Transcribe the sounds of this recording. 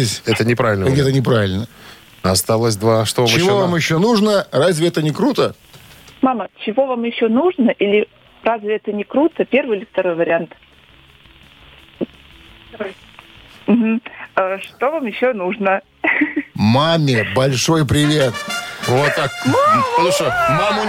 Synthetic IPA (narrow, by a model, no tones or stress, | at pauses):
esʲɛt̪ənʲɪpɾavʲɪlʲnəɡ̪ʲɛt̪ənʲɪpɾavʲɪlʲnə | ɐst̪alˠəsʲd̪vaʂt̪ovat͡ɕamjɪɪvovamjɪɕːonuʐnərazʲvʲɪɛt̪ənʲɪkɾut̪ə | mamət͡ɕɪvo̞vamjɪɕːonuʐnəʔilʲɪ | razʲvʲɪɛt̪ənʲɪkɾut̪əpʲe̞rvɨjɪlʲɪft̪ɐɾo̞jvəɾʲɪant̪ | m̩ɦm̩əʂt̪ovamjɪɕːonuʐnə | mamʲɪbɐlʲʂo̞jpɾʲɪvʲet̪vot̪ːak̚slˠuʂəmamʊ